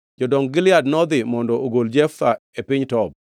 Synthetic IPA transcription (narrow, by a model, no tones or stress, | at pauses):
d͡ʒɔdɔŋɡɪlɪadnɔd̪ɪmɔndɔoɡold͡ʒɛfaepɪɲtɔb̚